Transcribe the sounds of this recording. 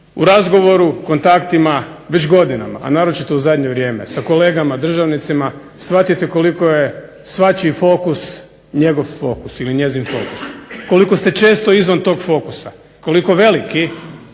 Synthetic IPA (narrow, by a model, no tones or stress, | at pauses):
uɾazɡo̞ʋo̞ɾuko̞nt̪akt̪ima | ʋet͡ɕɡo̞d̪ina̰ma̰ːnaːɾo̞t͡ʃit̪ouzad̪ɲeʋɾje̞ːmḛsako̞le̞ːɡamad̪r̩ʒaʋnit̪sima | sʋat̪it̪eko̞likoje | sʋat͡ɕifo̞ːkus | ɲe̞ɡo̞ʋfo̞ːkusiliɲe̞zinfo̞̰ːku̥sko̞likost̪e̞t͡ʃe̞ːst̪o̞izʋant̪o̞ːɡfo̞ːkusa | ko̞liko̞ʋe̞liki